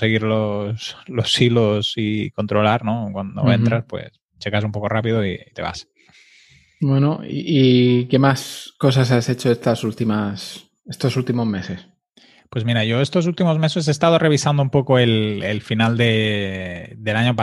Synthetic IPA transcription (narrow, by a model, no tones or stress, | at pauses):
se̞ɣiɾloslo̞silosiko̞nt̪ɾo̞laɾno̞kwand̪o̞̰ent̪ɾaspwe̞̰s | t͡ʃe̞kas̬umpo̞ko̞rapiðoiit̪e̞βa̰s | bwenoḭike̞masko̞sas̬ase̞t͡ʃoest̪asult̪imas | est̪osult̪imozme̞se̞s | pwe̞zmiɾaʝo̞e̞st̪o̞sult̪imo̞zme̞se̞s̬eːst̪að̞o̞re̞β̞isand̪oumpo̞koe̞lḛlfinald̪e̞ | d̪e̞laɲopa